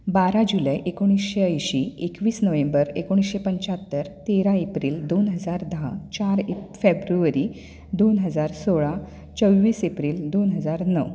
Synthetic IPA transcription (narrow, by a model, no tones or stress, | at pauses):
baɾãd͡ʑulajʔekoɽ̃isɕeəjɕiekʋiːsnəʋẽmbəɾḛkoɽ̃isɕepəɲt͡ɕat̪ːəɾt̪eɾãepɾiːld̪onɦəd͡zaɾd̪aɦat͡ɕaɾfebɾuəɾi | d̪onɦəd͡zaɾsoɭa | t͡səwʋiːsepɾiːld̪onɦəd͡zaɾnəʋ